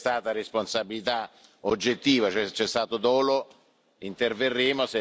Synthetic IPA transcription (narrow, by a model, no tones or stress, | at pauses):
t̪aːt̪aɾesponsabilit̪a | od͡ʒːet̪ːiːvat͡ʃoɛt͡ʃɛst̪aːt̪od̪ɔːlo | int̪erverːeːmose